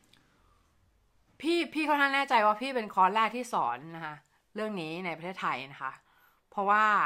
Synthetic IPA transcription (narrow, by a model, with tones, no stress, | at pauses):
pʰiː˥˩pʰiː˥˩a˥˩t̪ʰa˥˩nɛː˥˩t͡ɕa˧jwaː˥˩pʰiː˥˩pe˧nkʰɔː˦˥nlɛː˥˩k̚t̪ʰiː˥˩sɔ̰ː˩˦nːa˦˥kʰa˦˥ʔ | ɾɯ˥˩əŋniː˦˥na˧jpa˧t̪ʰeː˥˩t̪ʰa˧jna˦˥kʰa˦˥ʔ | pʰɔ˦˥waː˥˩